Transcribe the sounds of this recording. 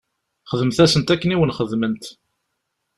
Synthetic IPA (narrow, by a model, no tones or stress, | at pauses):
χəðəmθæsənt̪ækːəniwənχəðmənt̪